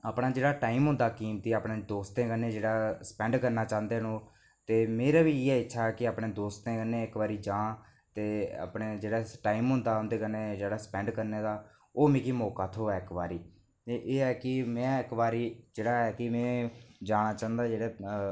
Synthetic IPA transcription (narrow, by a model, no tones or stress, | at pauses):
aːpɽaːd͡ʒeːɽaːʈaːimɦʊ̃nd̪aːkiːmt̪iːaːpɳeːd̪oːst̪ẽːkənːeːd͡ʒeːɽaːsə̥pɛ̃ːɳɖkəɾnaːt͡ʃãːnd̪eːnõː | t̪eːmeːɾaːʋiːeɛːɪtːʃʰaːɦɛːkɪaːpɳeːd̪oːst̪ẽːkənːẽːɪkʋaːɾiːd͡ʒãː | t̪eːa̰ːpɽeːd͡ʒeːɽaːʈaːimɦʊ̃nd̪aːʊnd̪eːkəneːd͡ʒeːɽaːspɛ̃ːɳɖkəɾneːd̪aː | oːmẽːkiːmoːkaːt̪ʰoːɛːɪkʋaːɾiː | t̪eʔeːɛːkɪmɛ̃ːɪkʋaːɾiːd͡ʒeːɽaːɦɛːkɪmɛ̃ːd͡ʒaːɽ̃aːt͡ʃãːnd̪aːd͡ʒeːɽɛː